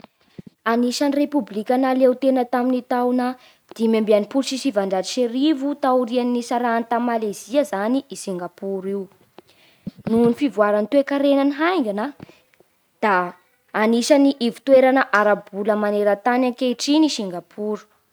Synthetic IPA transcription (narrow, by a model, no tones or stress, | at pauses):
aniʃanirepublikʲanalewt̪enət̪aminit̪awnə | d̪̥imembeanipuɾʃisivaɳɖ͡ʐaɾiʃeɾivut̪auɾianiːisaɾaːnit̪ammaleziəzaniʔisiŋɡapuɾiw | nunifivuaɾanit̪uekaɾenaniɦajŋɡana | d̪̥aː | niʃaniʔivu̥t̪weɾanəʔaɾabuləmaneɾət̪anaŋkeʈ͡ʂiniʃiŋɡapʰuɾu̥